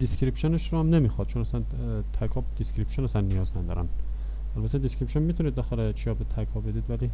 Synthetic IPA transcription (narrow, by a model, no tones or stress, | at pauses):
d̪̥iskɾipʃoneʃɾohæmnemixɔd̪̥t͡ʃʰonæsæn | t̪ʰækʰɒːd̪̥iskɾipʃonæsænːijɒːznæd̪ɒ̰ɾæ̰n | ælbæt̪ʰːed̪iskɾipʃonmit̪uniːd̪̚ːɒːxelet͡ʃʰijɒːbet̪ʰæɾkʰɒːbe̞d̪iːd̪væliː